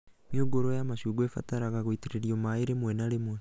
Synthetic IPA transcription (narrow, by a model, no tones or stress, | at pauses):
mjoɡoɾojamaʃuːɡwefa̰taɾaɣaɣoiteɾeɾiomaeɾemwenaɾemwe